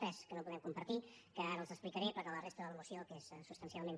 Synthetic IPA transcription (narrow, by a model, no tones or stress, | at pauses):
ɛskənopuðɛmkumpəɾt̪ikəaɾəlˠzəsplikəɾɛpəɾkələrest̪əðələmusiokessupst̪ənsialˠmẽn